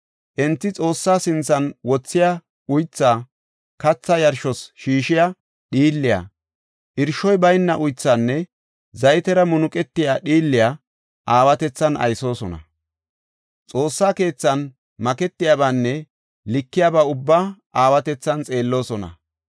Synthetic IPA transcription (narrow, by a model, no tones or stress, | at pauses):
ʔɛnt̪ːɪt͡sʼo̞ːsːaːsɪnt͡sːɐnwɔt͡sːɪja | ʊjt͡sːaː | kɐt͡sːɐjɐɾʃɔsʃiːʃɪjɐ | ɗiːlːɪja̰ | ʔɪɾʃɔjbɐjnːɐʔʊjt͡sːaːnːɛ | zɐjt̪ɛɾɐmʊnʊkʼɛt̪ːɪjaːɗiːlːɪja | ʔaːwɐt̪ɛt͡sːɐnʔɐ̰jso̞ːsɔnɐ̰ | t͡sʼo̞ːsːaːke̞ːt͡sːɐn | mɐkɛt̪ːɪjabaːnːɛ | lɪkːɪjabɐʊbːaːʔaːwɐt̪ɛt͡sːɐnt͡sʼe̞ːlːo̞ːsɔnɐ̰